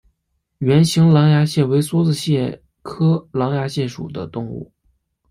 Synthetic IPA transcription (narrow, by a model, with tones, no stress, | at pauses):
ɥɛ˧˥nɕi˧˥ŋlɑ˧˥ŋja˧˥ɕjɛ˥˩we˧˥ɪswɔ˥t͡sɹ̩˥˧ɕjɛ˥˩ | kʰɤ˥lɑ˧˥ŋja˧˥ɕjɛ˥˩ʂṵ˨˩d̪ə̰˦t̪ʊ˥˧ŋṵ˥˩